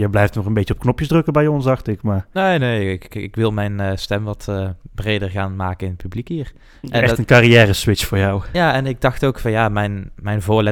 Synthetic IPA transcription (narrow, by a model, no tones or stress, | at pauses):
jəjblɛjftnɔχənbejt͡ʃəɔpknɔpjəzdrɵkəbɛjɔnsdɑxtɪkmaːnejnejɪkɪ̰kʋɪlˠmɛjnstɛmʋɑtəb̥rejdəɹɣaːnmaːkənɪnət̚pyblikɦiːr | ɛɛxtənkɑrijɛːrəsʋɪt͡ʃfʊːɹjawjaːɛnɪɡ̚dɑxtowkfɑnjaːmɛjnmɛjnvʊːɹlɛ